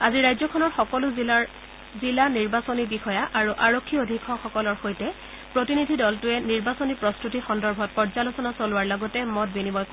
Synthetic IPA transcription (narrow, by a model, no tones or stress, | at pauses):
aziɹajzɔkʰɔnɔɹxɔkɔlʊ | zilaniɹbasonibixɔjaʔaɹuʔaɹokʰːiodʱikʰɔxɔkɔlɔɹxojtɛ | pɹotinidʱidɔltʊɛniɹbasonipɹɔstutixɔndɔɹbʱɔt̚pɔɹzalosɔnasolʊwaɹlɔɡɔtɛmɔt̚binibɔjk